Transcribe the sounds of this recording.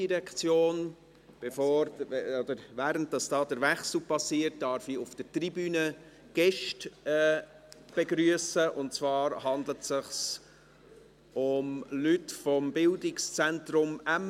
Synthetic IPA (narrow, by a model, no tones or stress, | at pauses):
iɾɛkt͡sjoːn | b̥efoːɾɔd̪əɾvæːɾənt̚d̥ɑsd̥ɑːdəɾvɛχsl̩pɑsːiːət̚d̥ɑɾfiʊfd̥ətribyːnə | ɡ̥ɛʃtɛː | b̥eɡɾyəsəʔʊnt̚t͡svɑːɾhɑndlətsɪχs | ʊmlytfɔmbɪldɪkst͡sɛntɾʊmæm